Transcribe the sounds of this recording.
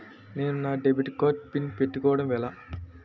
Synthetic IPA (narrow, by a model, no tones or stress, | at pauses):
neːnunaːɖebiʈːkoːt͡ʃpinpe̞ʈːukɔːʋɐɽɐmʋɛlɐ